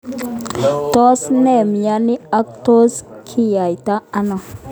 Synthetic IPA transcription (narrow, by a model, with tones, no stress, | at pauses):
tɔ˦snɛ˦˨mja˦nɪ˦a˦k̚to˦skʰi˦ja˨jta˦a˦nɔ˨